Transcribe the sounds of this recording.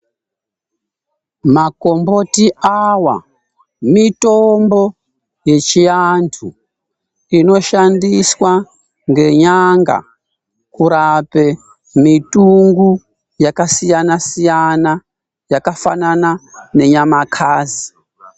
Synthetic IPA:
mako̞mbo̞tiawa̰ | mitombo̞ | je̞t͡ʃijantʰu | ino̞ʃandiswa | ŋɡe̞ɲaŋɡa̰ | kuɾape̞ | mitʼuŋɡu | jakasijanasijana | jakafananane̞ɲamakʰaːzi

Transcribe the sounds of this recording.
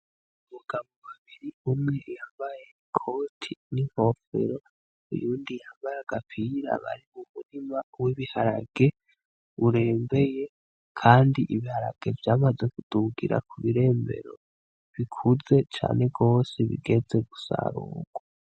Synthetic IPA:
muɡ̥amboβaβiɾiumŋe̞jaːmbaje | kʰo̞tʰiniŋho̞fḛɾo̞ | ṵjuːndijaːmbajaɡ̥apʰiɾa̰βa̰ɾimumunimawiβihaɾaɡ̥e̞ | uɾe̞ːmbe̞je̞ | kʰaːndiʔiβihaɾaɡ̥e̞vjaːmaze̞kud̥uɡiɾa̰kʰuβiɾe̞ːmbe̞̰ɾo̰ | βikʰuze̞t͡ʃa̰ːne̞ɡo̞ːseβḭɡe̞ze̞ɡusa̰ɾuːɡ̥wa

